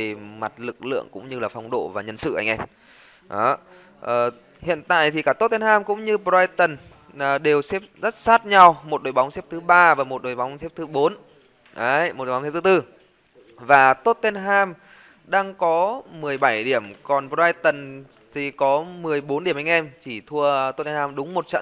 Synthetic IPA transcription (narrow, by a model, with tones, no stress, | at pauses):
e˨˩ma˨˩t̚lɨ˨˩k̚lɨ̰˧˨əŋkʊ̰˧˥ŋ͡mɲɨ˧laː˨˩fa˧˩wŋ͡mɗo̰˧˨vaː˨˩ɲə˧nsɨ̰˧˨ʔa˧jŋ̟ʔɛ˧m | ʔɔ˨˦ | ʔəː˨˩ | hḭ˧˨ənt̪a̰ː˧˨jt̪ʰi˨˩kaː˧˩t̪o˦˥t̚t̪e˧nhaː˧mkʊ̰˧˥ŋ͡mɲɨ˧pa˧jt̪ə˨˩nː˨˩ | ɗe˨˩wsɛ˦˥p̚zə˦˥t̚saː˦˥t̚ɲa˧wmo˨˩t̚ɗoː˨˩jɓa˨˦ŋ͡msɛ˦˥p̚t̪ʰɨ˨˦ɓaː˧vaː˨˩mo˨˩t̚ɗo˨˩jɓa˨˦wŋ͡msɛ˦˥p̚t̪ʰɨ˨˦ɓo˨˦n | ʔə˨˦jmo˨˩˨s̚t̪ʰɨ˨˦t̪ɨ˧ | vaː˨˩t̪o˦˥t̚t̪e˧nɦaː˧m | ɗaː˧ŋkɔ˨˦mɨ˨˩əjɓa˧˩jɗi˧˩əmkɔ˨˩npa˧jt̪ə˨˩n | t̪ʰi˨˩kɔ˨˦mɨ˨˩əjɓo˨˦nɗi˧˩əmʔa˧jŋ̟ʔɛ˧mt͡ɕi˧˩t̪ʰu˧ət̪o˦˥t̪̚ɛ˧nhaː˧mɗʊ˨˦ŋ͡mmo˨˩t̚t͡ɕə̰˧˨